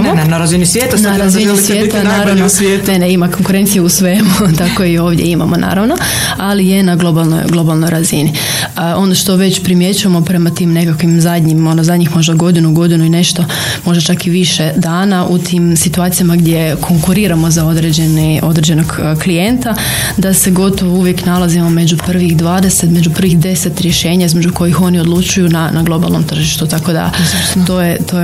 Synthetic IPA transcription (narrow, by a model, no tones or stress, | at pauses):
mnaɾazinisʋjeːt̪anaɾazinisjjeːt̪annaːɾanosʋjeːt̪eneimako̞ŋkuɾe̞nt̪sijeusʋeːmut̪akoio̞ːʋd̪jḛima̰mo̰nʔa̰ːɾaʋno̞ | alije̞naɡlˠo̞balno̰jɡlˠo̞balˠno̞jɾazini | əo̞noʃt̪o̞ʋe̞t͡ɕpɾimje̞t͡ɕuamo̞pɾe̞mat̪iːmne̞kakʋimzad̪ʲɲimo̞nozad̪ɲixmo̞ʒd̪aɡo̞d̪inuɡo̞d̪inuine̞ʃt̪o̞ | mo̞ʒd̪at͡ʃakiʋiʃe̞d̪aːnaʔut̪ʰiːmsit̪uaːt̪sijamaɡd̪je̞kʰo̞ŋkuɾiːɾamo̞zao̞d̪ɾed͡ʑeniʔo̞d̪ɾed͡ʑe̞no̞ɡklijent̪a | d̪ase̞ɡo̞t̪o̞ʋouʋje̞knalˠazimo̞me̞d͡ʑupr̩ʋixd̪ʋaːd̪e̞set̪me̞d͡ʑupr̩ʋixd̪e̞se̞t̪ɾjeʃe̞ːɲaizme̞d͡ʑuko̞jixo̞nio̞d̪lˠut͡ʃujunanaɡlˠo̞ba̰lˠno̞mt̪r̩ʒiʃt̪ut̪ako̞d̪a̰t̪ojet̪oː